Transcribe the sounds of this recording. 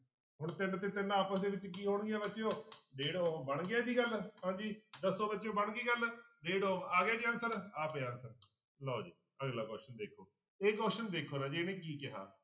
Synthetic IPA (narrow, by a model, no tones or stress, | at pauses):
ɦʊɳt̪ɪnt̪eːt̪ɪnaːpəsd̪eːʋɪt͡ʃk̬iːɦoːɳɡɪjaːbɪtːt͡ʃjõːɖeːɽõːbəɳɡɪjaːd͡ʒ̪iːɡəlɦãːd͡ʒiːd̪əsːõːbətːt͡ʃːjõːbəɳɡiːɡəlɖeːɽõːaːɡjaːd͡ʒiːə̃nsəɾaːpeːə̃ːnsəɾ | loːd͡ʒiː | əɡlaːkɔːʃənd̪eːkʰoː | eːkɔːʃənd̪eːkʰoːɾãːd͡ʒeːnẽːk̬iːkɪɦa̰ː